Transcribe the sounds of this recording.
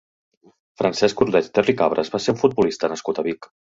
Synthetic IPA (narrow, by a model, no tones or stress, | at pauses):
fɾansɛskuɾðɛt̪t̪erikaβɾʔə̰zβaseuɱfud̪̚bulist̪ənəskut̪əβik